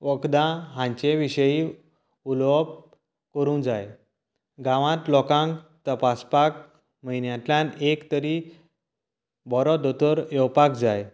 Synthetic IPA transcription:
ʋəkd̪ãɦãɲt͡ɕeʋiɕəji | ulʋɔp̚ | kəɾũːd͡zaj | ɡãʋãt̪lɔkãŋkt̪əpaspak̚ | məinjãt̪ljanekt̪əɾi | bɔɾɔd̪ot̪əɾjɔwpakd͡zaj

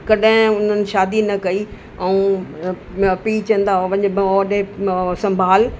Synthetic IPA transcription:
kɐɗɦɪ̃ʊn̤ənɪ̆ʃaːd̪inɐkɐi | ɐũː | piːt͡ɕɐ̃n̆d̪aʋɐ̃ɲbɔːɗeesɐ̃mbʱaːl

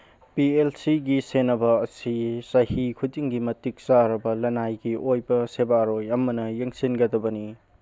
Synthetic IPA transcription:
pielsiɡisenːɐbɐɐsisɐhikʰutiŋɡimɐtik̚saɾɐbɐlɐnajɡiʔojbɐsebaɾojɐmɐnɐjeŋsinɡɐdɐbɐni

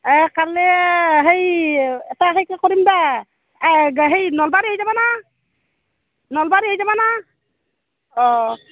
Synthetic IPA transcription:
ɛkaɾlɛɦejɛtaɦejkakɔɾimba | ɡɦejnɔlbaɾiɦɔjzabana | nɔlbaɾiɦɔjzabana | ɔ

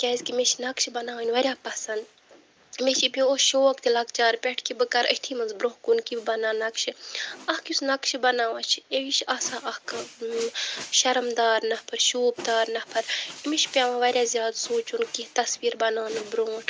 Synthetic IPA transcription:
kʲaːzʲkimeʃinɐkʃibɐnaːʋɐnʲʋɐɾʲjaːpɐsɐnd̪ | meʃibioʃoːkt̪ilɐkt͡ʃaːɾpʲɛʈʰkibɨkɐɾə̰t̪ʰimɨnzbɾoːkunkibɐnaːnɐkʃiɐhkusnɐkʃibɐnaːʋat͡ʃʰieʋiʃɐːsaːʔɐhkɨ | ʃɐɾmd̪aːɾnɐpʰɐɾʃuːbd̪aːɾnɐpʰɐɾimiʃpʲaʋãʋɐɾʲjaːzʲjaːd̪suːt͡ʃunkit̪ɐsʋiːɾbɐnaːnɨbɾoːʈʰ

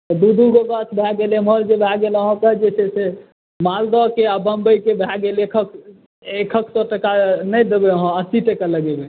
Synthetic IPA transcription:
t̪ɔd̪ud̪ʱuɡoɡat̪bʱɛɡeleməld͡ʒebʱaɡeləɦɔ̃kəɦd͡ʒet͡ʃʰɛse | mald̪ɔkeabəmbəjkebʱaɡelekʰək̚ | ekʰəkʰsɔʈəkanəjd̪ebeəɦɔ̃asiʈekələɡebe

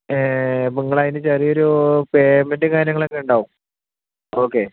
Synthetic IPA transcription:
epuŋːɐɭaːðinɨt͡ɕɐrioɾupeːmendekaːɾjɐŋːɭekːeuɳɖaːʋum | oːkːe̞

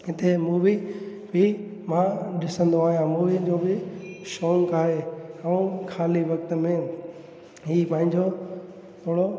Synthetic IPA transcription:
ɦɪt̪emuːʋi | bimãɗɪsə̃nd̪oaːɦijãmuːʋid͡ʑoːbɪʃoːŋkaːɦeɐũkʰaːliʋɐkt̪əmẽ | ɦiːpɐ̃ɦɪ̃ɲd͡ʑo | t̪ʰoːɽo

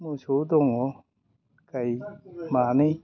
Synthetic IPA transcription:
musod̪ɔŋɔ | kajmanij

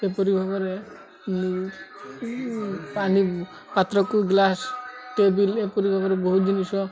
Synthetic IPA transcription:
epoɾibʱabɔɾe | ni | pani | pat̪ɾɔkuɡlasʈebilepoɾibʱabɔɾebɔɦud͡ʒiniʃɔ

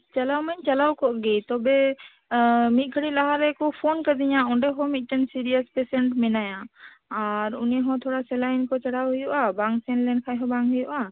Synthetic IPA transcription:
t͡ʃalawmaɲt͡ʃalawkɔʔɡɛt̪ɔbɛ | mit̪̚ˀkʰəɽilaɦaɾɛkɔpʰɔnkəd̪iɲãɔɳɖɛɦɔ̃mit̪̚ˀʈɛnsiɾijəspɛsɛɳʈmɛnajã | aɾuniɦɔ̃t̪ʰɔɽasɛlajnkɔt͡ʃaɽawɦujuʔabaŋsɛnlɛnkʰajɦɔ̃baŋɦujuʔa

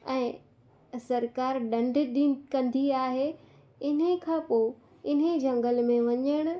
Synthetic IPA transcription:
ɛ̃ː | sɐɾkaːɾɗɐ̃ɳɖ̆ʱɗĩkɐ̃nd̪iaːɦeː | ɪnə̆kʰãːpoː | ɪn̤ed͡ʑɐ̃ŋɡəlmẽʋɐɲəɽ̃ʊ̆

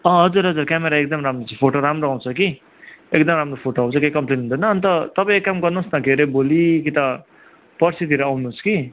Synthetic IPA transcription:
ʌɦʌd͡zuɾɦʌd͡zurkameɾaek̚d̪ʌmɾamrot͡sʰʌpʰoʈoɾamroaw̃t͡sʰʌki | ekd̪ʌmɾamropʰoʈoaw̃t͡sʰʌkejkʌmplenɦund̪ʌnʌːnt̪ʌt̪ʌpãĩekːamɡʌrnusnʌɡʱeɾebolikit̪ʌ | pʌrsit̪iɾʌawnut͡sʰʌ̥ki

